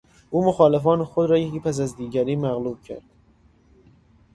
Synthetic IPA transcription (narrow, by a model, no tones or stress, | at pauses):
ʔuːmoxɒːlefɒːnexod̪ɾɒːjeciːpʰæs̬æzd̪iːɟæɾiːmæɣluːb̥̚cʰæ̰ɾd̪̥